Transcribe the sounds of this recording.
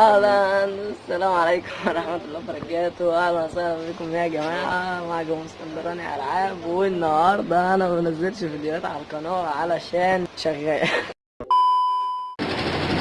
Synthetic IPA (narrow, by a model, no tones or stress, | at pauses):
ʔælænæsːælæːmʕalejkomwɑɾˤɑħmæt̪lːæːfɑɾˤɑɡæːt̪oʔælmæsæhlæfiːkomeæɡæmaːʕamaʕɡoost̪æmd̪ɑɾˤɑniʕa̰lʕaːbwenːɑhɑːɾˤd̪ɑʔænæmæbnæzːelʃfid̪jowæːt̪ʕalælkɑnæːwʕalæʃæːnʃæɣːæjæ